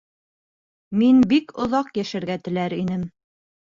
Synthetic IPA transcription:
minbikŏðɑqjæʃɘ̆ɾɡæt̪ɘ̆læɾinɘm

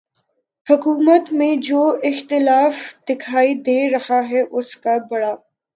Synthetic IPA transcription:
hʊkuːmət̪mẽd͡ʒoːɪxt̪ɪlaːfd̪̥ɪkʰaːid̪eːɾɐhaɦɛʔʊskabɐɽaː

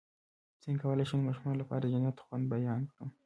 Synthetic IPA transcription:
t͡siŋkʰawəlaʃanmɑʃumɑnlapɑ̰ːɾad̪əd͡ʒanjat̪xwand̪̚bajɑnkɽə

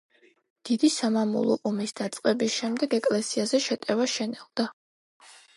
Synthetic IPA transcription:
d̪̥id̪isamamṵlˠɔ̰ʔɔmisd̪at̪sʼqʼɛbisʃɛmd̪ɛɡɛkʼlɛsiazɛʃɛt̪ʼɛvaʃɛnɛld̪a

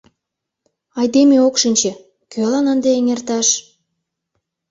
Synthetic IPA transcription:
ɑjd̪emeokʃənʲt͡ɕĕ | kølɑnənd̪eeŋert̪ɑʃ

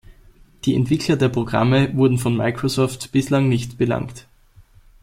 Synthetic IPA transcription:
d̥iːɛ̰ntv̥ɪkʰlɐdeːɐpʁ̥oɡ̥ʁa̰məvʊɐdn̩fɔnma̰ɪkʁ̥osɔːftb̥ɪslaŋnɪçtb̥əla̰ŋkt

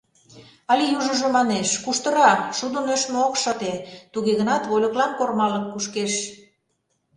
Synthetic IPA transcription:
ɑlʲijuʒə̆ʒŏmɑneʃkuʃt̪ɤ̆ɾɑʃud̪ə̆nøʃmeokʃɤ̆t̪et̪uɣeɣə̆nɑt̪βolʲŏklɑnkormɑləkːuʃkeʃ

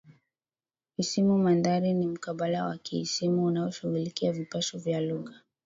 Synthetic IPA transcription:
isimumandaɾinim̩kaɓalawa̰kiisimuːnaɔʃuɣulikiavipaʃɔvjaluɣa

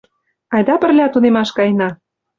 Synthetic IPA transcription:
ɑjd̪ɑpə̆rlʲɑt̪unemɑʃkɑjnɑ

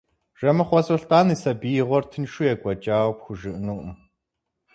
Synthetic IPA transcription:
ʒ̥ɐmɐχʷɔsɔɬtʼaːnisɐbijʁʷɔrtʰɨnʃujɛɡʷɐt͡ʃʼaːwpxʷʊʒɨʔnuːʔm

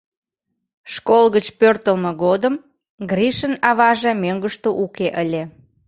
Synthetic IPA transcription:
ʃkolɣət͡ɕpørt̪əlmeɣod̪əm | ɡriʃənɑβɑʒemøŋɡəʃt̪oʔukeʔəlʲe

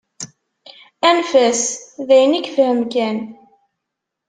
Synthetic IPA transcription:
ænfæsðæjənikθhəmkæn

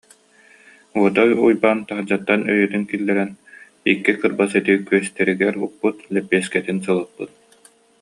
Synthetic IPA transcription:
uɔt̪aujbaːnt̪aɦd͡ʑat̪ːanœjœt̪yŋkilːɛɾɛn | ikːikɯɾbasɛt̪ikyœst̪ɛɾiɡɛɾuppːut̪lɛpːiɛskɛt̪ins̬ɯlˠɯpːut̪̚

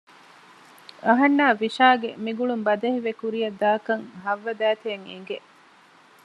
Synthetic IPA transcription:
ɐɦɐnːaːʋiʃaːɡemiɡuɭumbɐd̪ɐhiʋekuɾijɐd̪aːkɐŋɦɐʋːɐd̪æːt̪eɐŋḭŋ̆ɡeʔ

